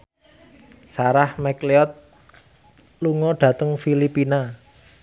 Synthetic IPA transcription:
saɾahmɛkleɔt̪̚ | luŋɔɖ̥ä̤t̪əŋfilipina

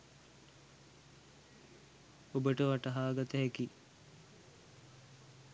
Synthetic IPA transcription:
obəʈəʋaʈɐɦaːɡat̪əɦæki

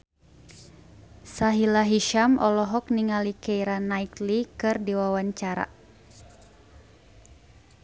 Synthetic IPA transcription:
saɦilaɦiʃamʔɔlɔɦɔk̚niŋalikɛiɾanaiklikɨrdiwawaɲt͡ʃaɾa̰

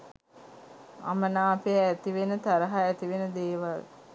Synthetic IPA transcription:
a̰mənaːpeːt̪iʋenət̪aɾəɦaæt̪iʋenəd̪eːʋal

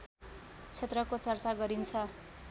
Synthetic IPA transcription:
t͡sʰet̪rʌkot͡sʌrt͡saɡʌɾint͡sʰʌ

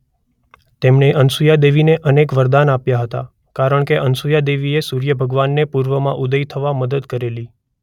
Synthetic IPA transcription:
t̪emɳeʔənsujad̪eʋineʔənekʋəɾd̪anapjaɦət̪a̰ | kaɾəɳkeʔənsujad̪eʋiesuɾjəbʱəɡʋanːepuɾʋəmã̰ʔud̪əjt̪ʰəʋaməd̪əd̪kəɾeli

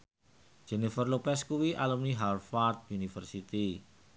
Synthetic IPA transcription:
d͡ʒ̥enifərlopɛskuwiʔalumniɦalfart̪̚junifərsit̪i

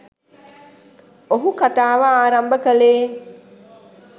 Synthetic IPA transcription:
oɦukat̪aːʋaaːɾambəkəleː

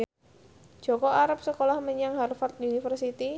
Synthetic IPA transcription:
dd͡ʒ̥ɔ̤kɔaɾap̚səkolahməɲaŋɦarfart̪̚unifərsit̪i

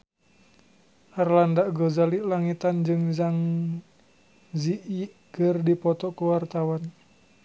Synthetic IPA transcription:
ʔarlandaɡozaliʔlaŋit̪and͡ʒɨŋzaŋ | ziʔiʔ | ɡ̥ərdipɔt̪ɔkuwart̪awan

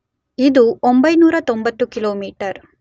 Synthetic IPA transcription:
id̪uombɐjnuːɾɐt̪o̞mbɐt̪ːukiloːmiːʈɐɾ

